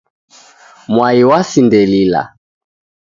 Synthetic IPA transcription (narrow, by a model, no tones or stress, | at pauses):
mwaiwasindɛlila̰